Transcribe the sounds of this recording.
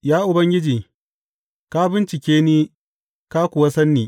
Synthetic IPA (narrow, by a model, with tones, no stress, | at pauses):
jaː˦ʔʊ˨bɐ˦ŋɡʲɪ˦d͡ʒiː˨ | ka˦bɪ˦nt͡ʃɪ˨kʲeː˦niː˦ | ka˦kʷʊ˨wɐ˦sɐ˦nːiː˨